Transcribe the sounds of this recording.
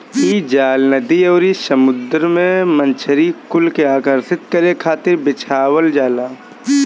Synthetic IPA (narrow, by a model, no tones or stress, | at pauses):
iːd͡ʒaːlnəd̪iɔːɾisəmʊd̪ɾmẽmə̃nt͡ʃʰəɾikʊlkeaːkəɾsɪt̪̚kəɾekʰaːt̪ɪɾbɪt͡ʃʰaːwəld͡ʒaːlaː